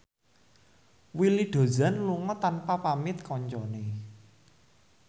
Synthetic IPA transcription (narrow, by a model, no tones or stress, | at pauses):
wiliɖ̪̥o̤zanluŋɔt̪anpapamɪt̪kɔɲt͡ʃɔne